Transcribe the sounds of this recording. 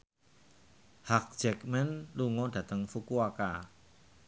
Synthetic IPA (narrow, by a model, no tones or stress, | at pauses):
hak̚d͡ʒ̥ɛk̚mɛnluŋɔd̥ä̤t̪əŋfukuaka̰